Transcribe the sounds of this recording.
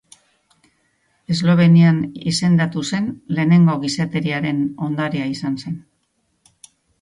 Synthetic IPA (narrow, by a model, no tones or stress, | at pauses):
e̞zlo̞β̞e̞nianḭse̞nd̪at̪use̞nle̞ːne̞ŋɡo̞ɣiset̪e̞ɾiaɾe̞no̞nd̪aɾiaisanse̞n